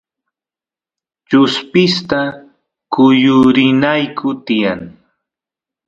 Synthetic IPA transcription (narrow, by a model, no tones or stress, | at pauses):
t͡ʃʊspɪst̪a | kʊjʊɾɪnajkʰʊt̪ɪjaŋ